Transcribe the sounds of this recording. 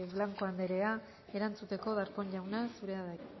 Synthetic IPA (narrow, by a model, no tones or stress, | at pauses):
βlaŋko̞and̪eɾe̞a | e̞ɾant͡sut̪e̞ko̞ðaɾko̞nʎawnasuɾe̞aða